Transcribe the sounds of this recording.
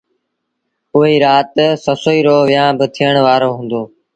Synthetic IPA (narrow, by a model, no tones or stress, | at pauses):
ʊɦiːɾaːt̪səsoːiːɾoːʋɪjãːbət̪ʰijəɳ̃ʋaːɾoːɦũːnd̪oː